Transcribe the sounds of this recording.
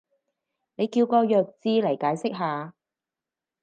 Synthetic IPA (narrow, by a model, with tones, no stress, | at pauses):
ne˨˧jkiː˧wkɔː˧jœː˨˧k̚t͡siː˧lɐ˨˩jkaː˨˥jsɪ˥k̚ɦaː˨˧